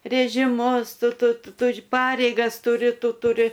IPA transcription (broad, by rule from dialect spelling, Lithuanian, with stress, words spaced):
rʲeːʒʲɪˈmʊs ˈtʊ ˈtʊ ˈtʊr ˈpɑːrʲɛɪɡɐs tʊˈrʲɪ ˈtʊ tʊˈrʲɪ